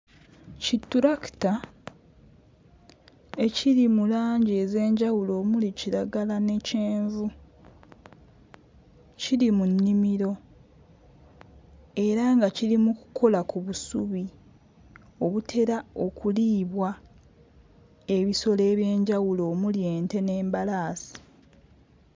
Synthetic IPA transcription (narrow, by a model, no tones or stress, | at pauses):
citːuɾakta | e̞ciɾimulaːɲɟe̞ze̞ːɲɟawulo̞ːmuliciɾaɡalane̞ceːɱvu | ciɾimunːimiɾo̞ | e̞ɾaŋɡaciɾimuku̥kʰo̞lakuβusuβi | o̞βutʰe̞ɾao̞kuliːβwa | e̞βiso̞le̞ːβje̞ːɲɟawulo̞ːmuljeːnte̞ne̞ːmbalaːsi̥